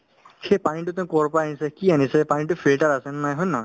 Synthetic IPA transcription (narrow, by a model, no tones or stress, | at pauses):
xejpanitʊtɛ̃ʊ̃kɔɹpaanisɛkianisɛpanitʊpʰilʈaɹasɛnnajɦɔjnɔ